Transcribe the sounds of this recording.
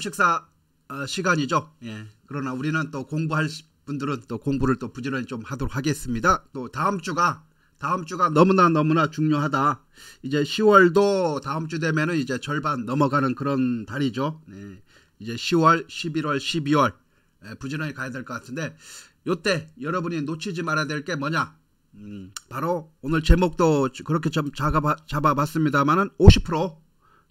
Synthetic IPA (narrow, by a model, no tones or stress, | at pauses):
ɕʰik̚s͈a | ɕʰiɡaɲid͡ʑoje̞kɯɾʌnauɾinɯnt͈okoŋbuɦaɭɕ | pundɯɾɯnt͈okoŋbuɾɯɭt͈opud͡ʑinʌɲit͡ɕomhadoɾokhʰaɡe̞s͈ɯmɲidat͈otaɯmt͡ɕ͈uɡa | taɯmt͡ɕ͈uɡanʌmunanʌmunat͡ɕuŋɲoɦada | id͡ʑe̞ɕʰiwʌɭdotaɯmt͡ɕ͈ude̞mjenɯnid͡ʑe̞t͡ɕʌɭbanːʌmʌɡanɯnkɯɾʌntaɾid͡ʑone̞ | id͡ʑe̞ɕʰiwʌɭɕʰibiɾwʌɭɕʰibiwʌɭ | epud͡ʑinʌɲikajadweɭk͈ʌk͈atʰɯnde̞ | jot͈e̞jʌɾʌbuɲinot͡ɕʰid͡ʑimaɾadweɭt͈e̞mʌɲa | paɾoonɯɭt͡ɕe̞mok̚t͈okɯɾʌkʰe̞t͡ɕaaat͡ɕabapas͈ɯmɲidamanɯnoɕʰi̥pʰɯɾo